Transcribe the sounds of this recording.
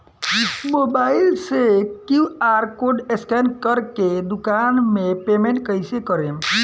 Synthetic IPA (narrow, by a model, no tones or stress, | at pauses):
smoːbaːɪlsekjuaːɾkoːɖeskɛnkəɾked̪ʊkaːnmẽpeːmẽɳʈkəɪsekəɾẽ